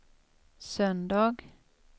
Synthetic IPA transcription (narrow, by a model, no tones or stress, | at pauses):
sœnd̪ɑːɡ